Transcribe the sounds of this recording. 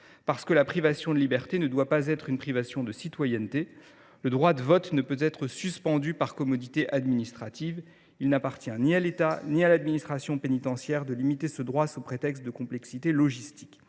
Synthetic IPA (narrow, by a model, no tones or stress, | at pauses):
paʁsə̥kəlapχivasjɔ̃d̪əlibɛʁt̪enəd̪wapazɛt̪χynpχivasjɔ̃d̪əsit̪wajɛnt̪e | ləd̪ʁwad̪əvɔt̪nəpøt̪ɛt̪χəsyspɑ̃d̪ypaʁkɔmɔd̪it̪eʔad̪minist̪χat̪iv | ilnapaʁt̪jɛ̃nialet̪anialad̪minist̪χasjɔ̃penit̪ɑ̃sjɛʁd̪əlimit̪esəd̪ʁwasupχet̪ɛkst̪̚d̪əkɔ̃plɛksit̪elɔʒist̪i̥kʲ